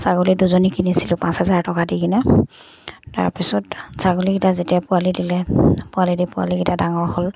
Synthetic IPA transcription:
saɡuliduzonikinisilʊpãnshɛzaɹtɔkadiɡinɛ | ta̰ɹpisɔtsaɡulikitazetijapʊalidilɛpʊalidipʊa̰likitadaŋɔɹhɔl

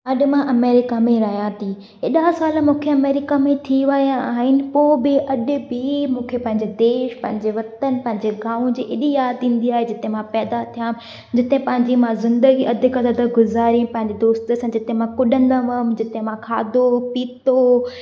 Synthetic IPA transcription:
ɐɗɪmãʔɐmeːɾɪkamẽɾɐɦijãt̪ʰi | ɪɗasaːlmũːkʰeɐmeːɾɪkamẽt̪ʰiʋɐjãaːɦɪnɪ̆poːbɪʔɐɗɪ̆bɪmũːkʰepɐ̃ɦɪ̃ɲd͡ʑed̪eːʃpɐ̃ɦɪ̃ɲd͡ʑeʋɐt̪ənpɐ̃ɦɪ̃ɲd͡ʑeɡaːũd͡ʑiːʔɪɗijaːd̪ĩːn̆d̪iaːɦed͡ʑɪt̪eɦmãpɛːd̪at̪ʰijaːm | d͡ʑɪt̪eɦẽpɐ̃ɦɪ̃ɲd͡ʑimãzɪ̃nd̪əɡiʔɐd̪ʱɪkad̪ɐd̪ʱəɡʊzaːɾijĩpɐ̃ɦɪ̃ɲd͡ʑed̪oːst̪əsãd͡ʑɪt̪emãkʊɗənɪd̪aʋəmd͡ʑɪt̪eɦẽmãkʰaːd̪opiːt̪o

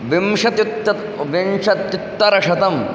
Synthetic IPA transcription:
ʋimʂɐt̪it̪ːɐ | ʋimʂɐt̪it̪ːɐɾɐʂɐt̪ɐm

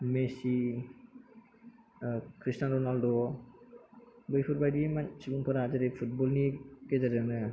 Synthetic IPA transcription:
mesi | kʰɾistanɾɔnaldɔ | bɯjpʰɯɾbajdimasibuŋpʰɯɾad͡ʒaɾepʰut̚bɔlnikezaɾɯnɯ

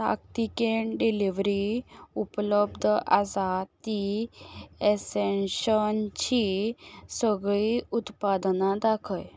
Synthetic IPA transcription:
a̰kt̪ikeɳɖiliʋɾiupləb̚d̪ʱʔa̰zad̪i | esenʃənt͡ɕʰisəɡɭiut̪pad̪nad̪akʰəj

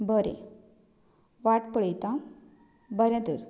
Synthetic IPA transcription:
bəɾḛ | ʋaʈpəɭəjt̪ã | bəɾẽt̪əɾ

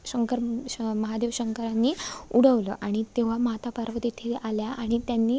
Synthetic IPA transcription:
ɕəŋkəɾməɦad̪eʋɕəŋkəɾanːiːuɽ̤əʋləʔaɽ̃it̪eʋ̤amɦat̪apəɾʋəd̪it̪ʰiʔaljaʔaɽ̃it̪janːiː

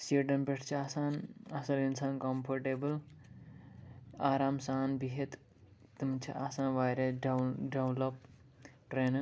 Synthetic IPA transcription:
siɖɐnpeʈʰt͡ʃʰiaːsaːnɐsɐlinsaːnkɐmpʰɐɾʈeːbɨl | aːɾaːmsaːnbiɦet̪ | t̪imt͡ʃʰḭʔasãːnʋaːjɾeɖɐwlɐp | ʈɾeːn

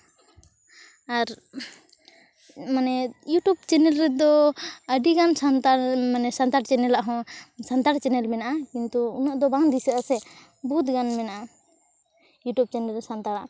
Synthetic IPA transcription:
aɾ | manɛjuʈub̚t͡ʃɛnɛlɾɛd̪ɔəɖiɡansant̪aɾmanɛsant̪aɽt͡ʃɛnɛlaʔɦɔ̃sant̪aɽt͡ʃɛnɛlmɛnaʔakint̪uːnaʔd̪ɔbaŋd̪isaasɛ | buut̪̚ɡanmɛnaʔa | juʈjub̚t͡ʃɛnɛlɛsant̪aɽa

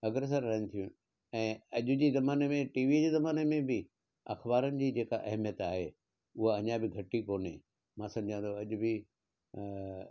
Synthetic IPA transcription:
ɐɡɾes̬əɾːɐɦɪnɪt̪ʰijũ | ɛ̃ːɐʄʊd͡ʑiːzɐmaːnemẽʈiːʋid͡ʑeːzɐmaːnemẽbɪ | ɐ̰xbaːɾənɪ̆d͡ʑiːd͡ʑeːka̰ʔɐɦmijət̪aːɦeː | ʊɦaɐɲabɪɡʱɐʈikoːne | mãːsɐ̃mɪd͡ʑʱãnd̪ʰoɐʄʊbɪ

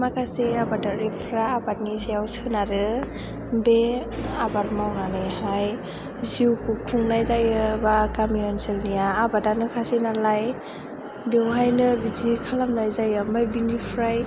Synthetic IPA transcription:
makaseabadaɾipʰɾaːbatnisijawsɯnaɾɯ | beabaɾmawnalɯjhaj | ziwkʰukʰuŋnajzajɯbakamiɔnselnijaːbadanɯkʰasenalaj | bewɦajnɯbizikʰalamnajzajɯmajbinipʰɾaj

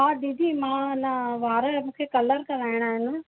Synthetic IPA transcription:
ɦaːd̪iːd̪iːmãːnaʋaːɾəmũːkʰekɐləɾkɐɾaːɪɽ̃aːɦɪn

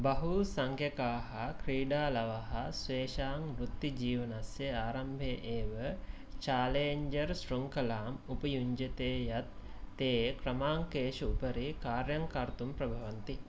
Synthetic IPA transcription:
bɐɦusaŋkʰjekaːɦɐkɾiːɖaːlɐʋɐɦɐsʋeːʃaːŋɾut̪ːid͡ʒiːʋɐnasjeaːɾɐmbʱeʔeːʋə | t͡ʃaːleːɲd͡ʒɐɾsʈruŋkɐlaːmupəjuɲd͡ʒet̪eːjat̪ːeːkɾɐmaːŋkeːʃuupəɾikaːɾjaŋkaɾt̪umpɾɐbʱaʋɐnt̪i

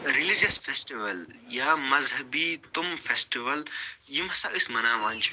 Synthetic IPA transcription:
ɾilid͡ʒɐsfesʈiʋɐljaːmɐzɦɐbiːt̪umfesʈiʋɐljimɐsaʔismɐnaːʋãːnʲt͡ʃʰi̥

